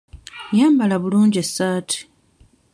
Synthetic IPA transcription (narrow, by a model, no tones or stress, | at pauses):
jaːmbalaβuluːɲɟesːaːtʰi̥